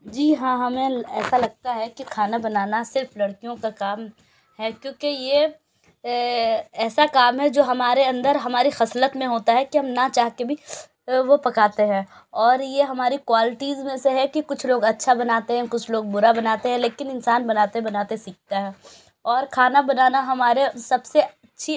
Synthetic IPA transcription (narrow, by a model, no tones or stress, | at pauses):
d͡ʒiːɦãːɦɐmẽɛːsalɐɡ̚t̪aɦɛkikʰaːnabɐnaːnasɪɾflɐɽkijõkakaːm | ɦɛkjõːkeje | ɛːsakaːmɦɛd͡ʒoːɦɐmaːɾeɐ̃nd̪əɾɦɐmaːɾixɐslət̪mẽɦoːt̪aɦɛkiɦɐmnat͡ʃaːɦkebʱi | ʋopɐkaːt̪eɦɛ̃ː | ɔːɾjeɦɐmaːɾikwaːlɪʈiːzmẽseɦɛkikʊt͡ʃʰloːɡɐtːʃʰabɐnaːt̪eɦɛ̃kʊt͡ʃʰloːɡ̚bʊɾabɐnaːt̪eɦɛ̃leːkɪnɪnsaːnbɐnaːt̪eɦbɐnaːt̪esiːk̚t̪aɦɛː | ɔːɾkʰaːnabɐnaːnaɦɐmaːɾesɐbseɐtːʃʰi